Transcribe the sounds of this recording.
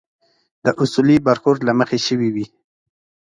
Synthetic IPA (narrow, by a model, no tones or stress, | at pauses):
d̪̥əʔʊsulibaɾxoɾlaməxeʃəwiwi